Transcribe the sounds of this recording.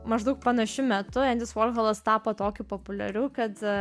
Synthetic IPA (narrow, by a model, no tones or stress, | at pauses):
mɐʒd̪ɐʊk̚pɐnɐʃʲʊmʲɛt̪ʊɛnd̪ʲɪsʋoːlʲɣɐlˠɐst̪ɑːpoːt̪oːkʲʊpopʊlʲɛ̰ɾʲuːkɐt̪